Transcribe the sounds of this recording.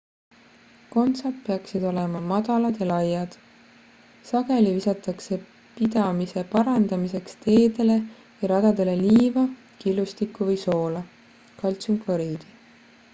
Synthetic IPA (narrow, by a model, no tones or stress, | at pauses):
ko̞nt̪sɑt̪pe̞ɑksid̪̥o̞le̞mɑmɑd̪̥ɑlɑd̪̥jɑlɑjːɑd̪̥ | sɑɡ̥e̞livisɑt̪ːˑɑkse̞ | pid̪ɑmise̞pɑɾɑnd̪ɑmise̞kst̪e̞ːd̪e̞le̞ | jɑɾɑd̪̥ɑd̪̥e̞le̞liːvɑ | kilust̪ikːˑuvɤjso̞ːlɑ | kɑlʲt̪sumkvɑɾiːd̪̥i